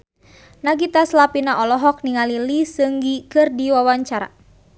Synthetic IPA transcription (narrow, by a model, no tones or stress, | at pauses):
naɡit̪aslapinaʔɔlɔɦɔk̚niŋalilisɨŋɡikɨrdiwawaɲt͡ʃaɾa̰